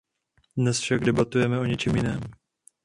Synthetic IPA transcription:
dnɛsfʃaɡdɛbat̪ujɛmɛo̞ɲɛt͡ʃɛmjɪnɛːm

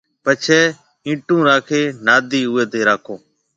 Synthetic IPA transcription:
pət͡ʃʰɛː | ĩːʈũːɾaːkʰeːnaːd̪iːʊeːt̪eːɾaːkʰõː

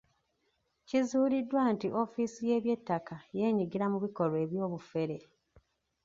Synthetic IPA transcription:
cizuːlidːwaːntiʔo̞fisije̞ːβje̞tːakaje̞ːɲiɡiɾamuβiko̞lwe̞ːβjo̞ːβufe̞ɾe

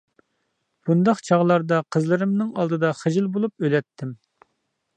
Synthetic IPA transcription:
b̥und̪ɑqt͡ʃʰɑʁlˠɑɾd̪ɑqʰəzlˠɨɾɨmnɨŋɑlˠd̪ɨd̪ɑχəd͡ʒɪlˠbolˠup̚ølɛt̪ʰːɪm

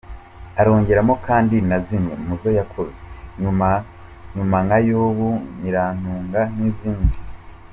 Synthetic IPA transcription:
aɾo̞ːɲɟe̞ɾamo̞kʰaːndinazimŋḛmuzo̞jakʰozeɲuma | ɲumaŋajoːβuɲiɾaːn̥uːŋɡan̥iːziːndi

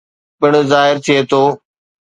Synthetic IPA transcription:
pɪɽ̃zaːɦɪɾt̪ʰijeːt̪ʰoː

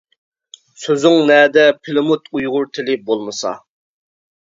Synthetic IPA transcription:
søzɪŋnɛːd̪ɛpʰɪlɪmut̪ʰujʁʊɾt̪ʰɪlɪbolˠmɨsɑ̰

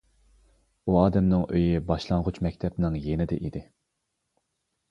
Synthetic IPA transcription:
uɑːd̪ɛmnɪŋøjibɑʃlˠɑɴʁʊt͡ʃmɛk̚ʲt̪ʰɛpnɪŋjenɪd̪ɛ̰ʔid̪ɪ

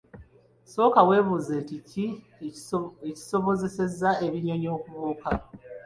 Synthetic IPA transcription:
so̞ːkawe̞ːβuzentici | eci̥soβoze̞se̞zːae̞βiɲo̞ɲo̞ːkuβuːka

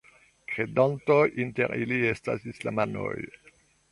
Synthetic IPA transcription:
kɾedantojinteɾʔilie̞sta̰sislamano̰j

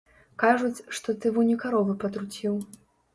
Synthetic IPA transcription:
kaʐut͡sʲʂt̪ɔt̪ɨvunʲikaɾɔvɨpɐt̪ɾut͡sʲiw

